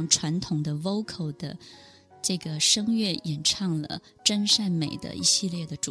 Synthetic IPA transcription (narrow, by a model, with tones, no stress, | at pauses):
ŋʈ͡ʂʰwa˧˥nt̪ʰʊ˨˩ŋd̪ə˦wo˥ʊkʰo˥˩ʊd̪̥ə˦ | ʈ͡ʂɤ˥˩ɡə˩ʂɤ˥ŋɥɛ˥˩jɛ˨˩nʈ͡ʂʰɑ˥˩ŋlə̰˩ | ʈ͡ʂə˥nʂa˥˩nme˨˩ɪd̪ə̰˦ʔḭ˧˥˩ɕi˥˧ljɛ˥˩d̪ə˩ʈ͡ʂu˨